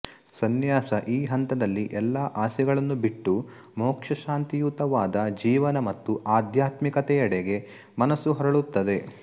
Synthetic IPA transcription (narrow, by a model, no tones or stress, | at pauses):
sɐnjaːsɐʔiːɦɐnt̪ɐd̪ɐlːiʔɛlːaʔaːsɛɡɐɭɐnːubiʈːu | mɔːkʂɐʃaːnt̪ijut̪ɐʋaːd̪ɐd͡ʒiːʋɐnɐmɐt̪ːuʔaːd̪ʱjaːt̪mikɐt̪ɛjɐɽeɡe̞ | mɐnɐsːuɦɐɾɐɭut̪ːɐd̪e̞